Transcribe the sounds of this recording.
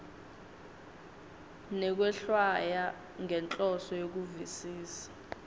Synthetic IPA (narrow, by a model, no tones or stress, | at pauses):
nɛk̬wɛɬwaja | ŋʱɛnt͡ɬʼɔsɔjok̬uvisiːsḁ